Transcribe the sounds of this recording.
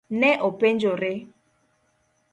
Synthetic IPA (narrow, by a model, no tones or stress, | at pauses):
nɛʔopend͡ʒoɾɪ